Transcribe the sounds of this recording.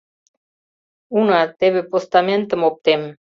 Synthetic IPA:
unɑt̪eβepost̪ɑment̪əmop̚t̪em

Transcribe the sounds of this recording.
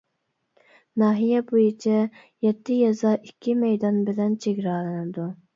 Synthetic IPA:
nɑːɦijɛbujit͡ʃʰɛ | jɛt̪ːɪjɑzɑʔikʲʰːimɛjd̪ɑnbɪlɛnt͡ʃʰeɡʲɾɑːlˠɨnɨd̪u

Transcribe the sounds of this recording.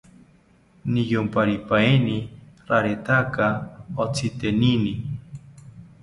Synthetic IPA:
nijompaɾipaeniɾaɾet̪akaot͡sʰit̪enini

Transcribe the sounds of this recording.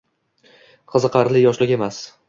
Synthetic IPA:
qʰɨzɨqʰɑɾlɪjɒʃlɪkʲe̞mas

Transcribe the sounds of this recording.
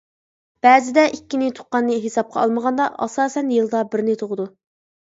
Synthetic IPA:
b̥ɛːzɪd̪ɛʔikʲːinɪt̪ʰo̥qːɑnːɨɦesɑp̚qʰɑ̰ɑlˠməʁɑnd̪ɑʔɑ̰sɑːsɛnjɨlˠd̪ɑbɪɾnɪt̪ʰoʁəd̪u

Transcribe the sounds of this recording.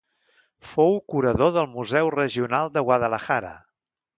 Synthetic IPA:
fowkuɾəðoðəlˠmuzɛwrəʒiunalˠd̪əɣwaðələxaɾə̰

